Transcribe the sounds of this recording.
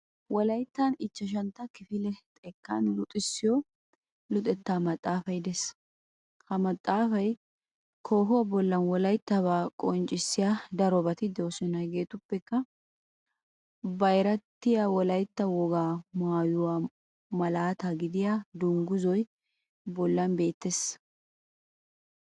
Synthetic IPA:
wɔlɐjt̪ːɐnɪt͡ʃːɐʃ̬ɐnt̪ɐkɪfɪlɛt̪ʼɛkːɐ̰nlʊt̪ʼɪsːɪjɔ | lʊt̪ʼɛt̪ːaːmɐt̪ʼːaːfɐjɪd̪ɛs | hɐmɐt̪ʼːaːfɐj | kʰo̞ːɦʊwɐbɔlːɐnwɔlɐjt̪ːɐβaːkʼɔnt͡ʃʼɪsːɪjaːd̪ɐɾɔbɐt̪ɪd̪ɛwsɔnɐjɡe̞ːt̪ʊpːɛkːɐ | bɐjɾɐt̪ːɪjawɔlɐjt̪ːɐwɔɡaːmaːjʊwaː | mɐlaːt̪aɡɪd̪ɪjad̪ʊŋɡʊzɔj | bɔlːɐnbe̞ːt̪ːes

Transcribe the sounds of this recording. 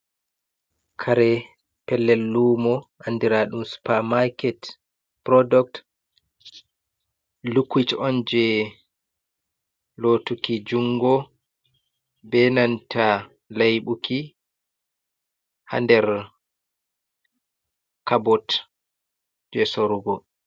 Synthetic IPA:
kʰaɾɛ | pɛlːɛlːumɔʔandiɾaɗumsu̥pamakɛt | pɾɔdɔk̚t | lukwit͡ʃɔnd͡ʒɛ | lotukid͡ʒuŋɡɔ | bɛnantʰa | lajɓuki | ha̰ndɛɾ | kabɔt | d͡ʒɛsoɾuɡɔ

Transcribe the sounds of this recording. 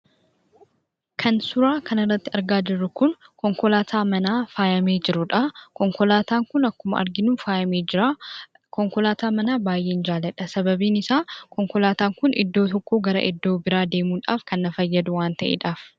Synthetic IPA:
kʰɐnsʊɾaːkɐnɪrːɐt̪ːɪɐɾɡaːd͡ʒɪrːʊkʊnkɔŋkɔlaːt̪ʰaːmɐnaːfaːjɐmeːd͡ʒɪɾʊᶑɐkɔŋkɔlaːt̪aːŋkʊnɐkːʊmɐ̰ʔɐ̰ɾɡɪnuːnfaːjɐmeːd͡ʒɪɾa | kɔŋkɔlaːt̪aːmɐnaːbaːjʔeːɪnd͡ʒaːlɛᶑɐsɐbɐbiːnɪsaːkɔŋkɔlaːt̪aːŋkʊnʔɪ̰d̪ːo̞ːt̪ɔkːo̞ːɡɐɾɐ̰ʔɪ̰d̪ːo̞ːbɪɾaːd̪e̞ːmuːᶑa̰ːfkɐnːɐfɐjːɐd̪ʊwaːnt̪ɐʔḛːᶑaːf

